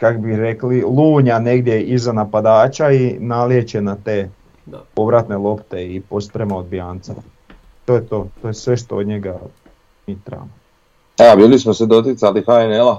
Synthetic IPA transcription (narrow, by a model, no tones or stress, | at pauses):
kakobiɾeklilˠuːɲane̞ɡd̪je̞ʔizanapad̪aːt͡ʃainaljet͡ʃenat̪e̞ː | po̞ʋɾat̪ne̞lˠo̞pt̪e̞ipo̞spɾemaod̪̚biaːnt̪sa̰ | t̪o̞jet̪o̞ːt̪o̞jesʋe̞ʃt̪ood̪ɲeɡa | miːt̪ɾa̰mo | eabiːlismosed̪ot̪it̪salixainela